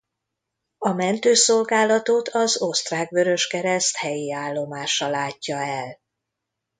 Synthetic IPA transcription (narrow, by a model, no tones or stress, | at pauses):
ɒmɛnt̪øːso̞lɡaːlːɒt̪ot̪ʰɒzo̞st̪raːɡvø̞ɾø̞ʃkɛɾɛst̪hɛjiaːlːo̞maːʃɒlaːcːɒɛl